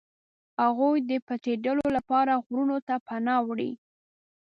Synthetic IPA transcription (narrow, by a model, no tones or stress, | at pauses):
haɣujd̪əpat̪eɖəlolapɑɾaɣɾunot̪apanɑwɽḭ